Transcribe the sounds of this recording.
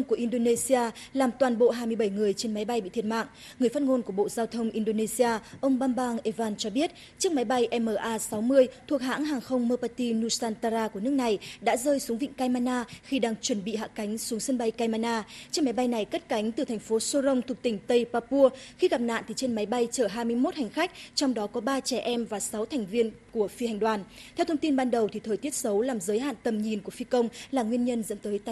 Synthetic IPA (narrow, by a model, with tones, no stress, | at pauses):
ŋ͡mku˧˩ʔi˧nɗo˧ne˧si˧aː˧laː˨˩mt̪waː˨˩nɓo̰˧˨ɦaː˧jmɨ˧əɓə˧˩jŋɨ˨˩əjt͡ɕe˧nma˨˦jɓa˧jɓḭ˧˨t̪ʰi˨˩tma̰ː˧˨ŋ | ŋɨ˨˩əfaː˦˥t̚ŋo˧nku˧˩əɓo̰˧˨zaː˧wt̪ʰə˧wŋ͡mʔi˧nɗo˧ne˧si˧aː˧ʔə˧wŋ͡mɓaː˧mɓaː˧ŋʔe˧vaː˧nt͡ɕɔ˧ɓi˦˥ət̚ | t͡ɕɨ˦˥ək̚ma˨˦jɓa˧jʔɛ˧məː˧˩ʔaː˧sa˨˦wmɨ˧əjt̪ʰu˨˩ək̚ɦa̰ː˧˥ŋɦaː˨˩ŋxə˧wŋ͡mmə˧paː˧t̪i˧nu˧saː˧nt̪a˧zaː˧ku˧˩ənɨ˦˥k̚na˨˩jɗa̰ː˧˥zəː˧jsu˨˦ŋvḭ˧˨ŋ̟kaː˧jmaː˧naː˧xi˧ɗaː˧ŋt͡ɕwə˧˩nɓḭ˧˨ɦa̰ː˧˨ka˨˦jŋ̟su˨˦əŋsɨ˧ənɓa˧jkaː˧jmaː˧naː˧t͡ɕe˧nma˨˦jɓa˧jna˨˩jkə˦˥t̚ka˨˦jŋ̟t̪ɨ˨˩t̪ʰɛ˨˩ŋ̟fo˨˦so˧zə˧wŋ͡mt̪ʰʊ˨˩k͡p̚t̪ï˧˩ŋ̟t̪ə˧jpaː˧pu˧əxi˧ɣa˨˩p̚na̰ː˧˨nt̪i˨˩t͡ɕe˧nma˨˦jɓa˧jt͡ɕəː˧˩ɦaː˧jmɨ˧əjmo˦˥t̚ha˨˩jŋ̟xa˦˥k̟̚t͡ɕɔ˧wŋ͡mɗɔ˨˦kɔ˨˦ɓaː˧t͡ɕɛ˧˩ʔɛ˧mvaː˨˩sa˨˦wt̪ʰɛ˨˩jŋ̟vi˧ənku˧˩əfi˧hjŋ̟ɗwaː˨˩nt̪ʰɛ˧wt̪ʰə˧wŋ͡mt̪i˧nɓaː˧nɗə˨˩wt̪ʰi˨˩t̪ʰəː˨˩jt̪i˦˥ət̚sə˨˦wlaː˨˩mzəː˨˦jɦa̰ː˧˨nt̪ə˨˩mɲi˨˩nku˧˩əfi˧kə˧wŋ͡mlaː˨˩ŋwi˧ənɲə˧nzə̰˧˥nt̪əː˨˦jt̪a˧